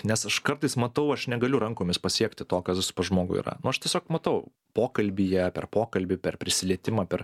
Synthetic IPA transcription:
nʲɛsɐʃkɐrt̪ɐɪsmɐt̪ɐʊɐʃnʲɛɡɐlʲʊɾɐŋkoːmʲɪspɐsʲiɛkt̪ʲɪt̪oːkɐsʋʲɪsʊ̥pɐʒmoːɡʊ̰ḭːɾɐ̰nʊɐʃt̪ʲiɛsʲoːkmɐt̪ɐʊ | poːkɐlʲbʲɪjɛpʲɛ̰rpoːkɐlʲbʲɪpʲɛrpʲɾʲɪsʲɪlʲiɛt̪ʲɪmɑːpʲɛr

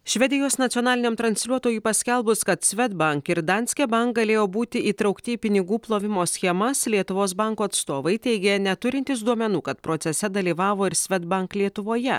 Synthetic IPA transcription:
ʃʲʋʲɛd̪ʲɪjoːsnɐt̪ʲiɔnɑːlʲɪnʲeːmt̪ɾɐnʲsʲlʲuɔt̪oːjuːpɐsʲkʲɛlˠbʊskɐt̪sʲʋʲɛd̪bɐŋkɪɾd̪ɐnʲsʲkʲɛbɐŋkɡɐlʲeːjoːbuːt̪ʲɪʔiːt̪ɾɐʊkt̪ʲɪipʲɪnʲɪɡuːplˠoːʋʲɪmoːsʲxʲɛmɐslʲiɛt̪ʊʋoːsbɑˑŋkuːɐt̪st̪oːʋɐɪt̪ʲɛɪɡʲɛnʲɛt̪ʊɾʲɪnʲt̪ʲɪs̬d̪uɔmʲɛnuːkɐt̪pɾoːt̪sʲɛsʲɛd̪ɐlʲiːʋɑːʋoːɪɾsʲʋʲɛd̪bɐŋklʲiɛt̪ʊʋoːjɛ

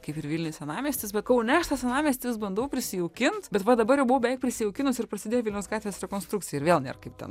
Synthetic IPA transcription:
kɐɪpɪɾʋʲilʲnʲɪsʲɛnɑːmʲeːsʲtʲɪsbʲɛt̪kɐʊnʲɛɐʃt̪ɐsɛnɑːmʲeːsʲt̪ʲɪɪsbɐnd̪oʊpʲɾʲɪsʲɪjɛʊkʲɪnt̪bʲɛt̪ʋɐd̪ɐbɐɾrjɛʊbʊʋoːbʲɛʋɛɪkpʲɾʲɪsʲɪjɛʊkʲɪnosɪɾrprɐsʲɪd̪ʲeːjoʋʲɪlʲnʲɛʊsɡɑːt̪ʲʋʲeːsɾʲɛkoːnst̪ɾukt͡s̪ʲɪjɛɪɾʋʲeːlˠnʲḛrkɐɪp̚t̪ʲɛ̰n

